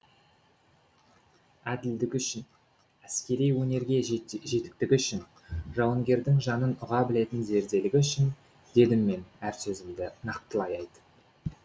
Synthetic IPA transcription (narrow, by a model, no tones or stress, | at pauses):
æd̪ɪld̪ɪkʲʏʃɪn | æskʲe̞ɾijwɵne̞ɾɡʲe̞ʒe̞t̪ɪ̥k̚t̪ɪkʲʏʃɪn | ʒɑwəŋɡʲe̞ɾd̪ɪŋʒɑnənʊʁɑbɪle̞t̪ɪnze̞ɾd̪e̞lɪɡʲɪʏʃɪn | d̪e̞d̪ɪmːe̞næɾsɵzɪmd̪ɪnɑq̚t̪əlˠɑjɑjd̪ə